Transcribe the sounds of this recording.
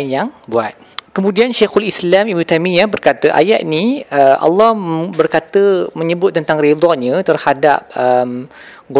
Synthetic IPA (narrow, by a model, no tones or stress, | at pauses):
njaŋbuat̪̚kəmũdianʃaxulislamibnut̪amĩjabərkat̪əʔa̰jaʔ̪̚niəʔa̰lːɔhbərkat̪əmə̃ɲəbʊt̪̚ːənt̪aŋrid̪ɔɲə̃t̪ərhada̰p̚əm | ɡ